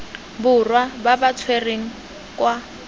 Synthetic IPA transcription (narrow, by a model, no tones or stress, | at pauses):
bʊrwababat͡sʰwereŋ̩ | kʼwa